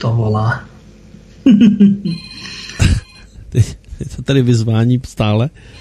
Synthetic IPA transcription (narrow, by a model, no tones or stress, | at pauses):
t̪ovolaː | t̪ɛjɛt̪ʰot̪adɪvɪzvaːɲiːst̪aːlɛ